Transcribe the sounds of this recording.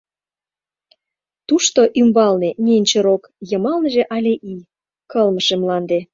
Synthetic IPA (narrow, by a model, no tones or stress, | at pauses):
t̪uʃt̪oʔymbɑlnenʲenʲt͡ɕeɾok | jəmɑlnəʒĕʔɑlʲeʔi | kəlməʃemlɑnd̪e